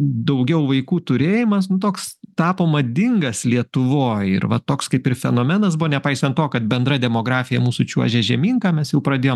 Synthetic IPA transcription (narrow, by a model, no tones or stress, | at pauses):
d̪ɐʊɡʲɛʊʋɐɪkuːt̪ʊɾʲeːjɪmɐsnʊt̪oːkst̪ɑːpoːmɐd̪ʲɪŋɡɐslʲiɛt̪ʊʋoːjɪ̰ɾʋɐt̪oːkskɐɪpɪrfʲɛnoːmʲɛnɐs̬bʊʋoːnʲɛpɐɪsʲɐnt̪t̪oːkɐt̪̚bʲɛnd̪ɾɐd̪ʲɛmoːɡɾɑːfʲɪjɛmuːsʊt͡ʃʲuɔʒʲɛʒʲɛmʲiːŋkɑːmʲɛsjɛʊpɾɐd̪ʲeːjoːm